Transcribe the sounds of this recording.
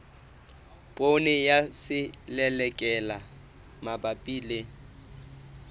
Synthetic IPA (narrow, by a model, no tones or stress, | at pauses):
pʼonɪjasɪlɛlɛkʼɛla | mabapʼiːle